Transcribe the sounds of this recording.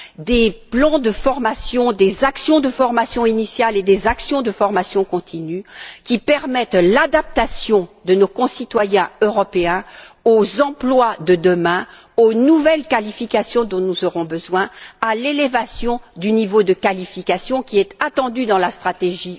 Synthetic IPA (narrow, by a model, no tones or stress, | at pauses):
d̪eplɑ̃d̪əfɔʁmasjɔ̃d̪ezaksjɔ̃d̪əfɔʁmasjɔ̃inisjaled̪ezaksjɔ̃d̪əfɔʁmasjɔ̃kɔ̃t̪ʰinykʲipɛʁmɛt̪lad̪ap̚t̪asjɔ̃d̪ənokɔ̃sit̪wajɛ̃øʁɔpeɛ̃ozɑ̃plwad̪əd̪əmɛ̃ | onuvɛlkalifikasjɔ̃d̪ɔ̃nuzɔʁɔ̃bəzwɛ̃alelevasjɔ̃d̪ynivod̪əkalifikasjɔ̃kʲiɛt̪at̪ɑ̃d̪yd̪ɑ̃last̪χat̪eʒi